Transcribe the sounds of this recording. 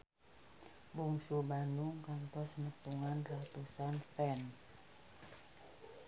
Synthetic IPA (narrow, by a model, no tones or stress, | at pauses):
buŋsubanuŋkant̪ɔsnət̪uŋanrat̪usanfɛn